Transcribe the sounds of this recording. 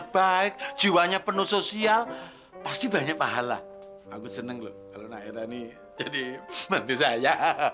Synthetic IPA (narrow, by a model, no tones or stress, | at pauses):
b̥aɪk̚d̥d͡ʒ̥iwaɲapənusosial | past̪iba̤ɲak̚paɦala̰ | akusənəŋlo̰hkalonaeɾani | d͡ʒadimant̪usaja